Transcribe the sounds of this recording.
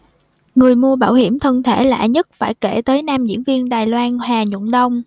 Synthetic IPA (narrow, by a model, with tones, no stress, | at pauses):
ŋɨ˨˩əjmu˧əɓaː˧˩whi˧˩əmt̪ʰə˧nt̪ʰe˧˩la̰ː˧˨ɲə˦˥t̚faː˧˩jke˧˩t̪əː˨˦jnaː˧mzḭ˧˥ənvi˧ənɗaː˨˩jlwaː˧nhaː˨˩ɲṵ˧˨nɗə˧wŋ͡m